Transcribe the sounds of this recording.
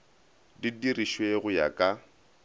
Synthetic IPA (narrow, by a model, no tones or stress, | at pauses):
didiriʃweɣʊja̰kʼa